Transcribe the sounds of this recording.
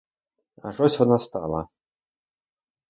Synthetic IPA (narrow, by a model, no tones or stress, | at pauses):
a̰ʐɔsʲt͡sʲvɔnast̪a̰lˠɐ̰